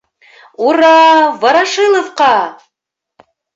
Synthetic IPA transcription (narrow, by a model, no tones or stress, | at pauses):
uɾɑvɑɾɑʃɨlˠŏfqɑ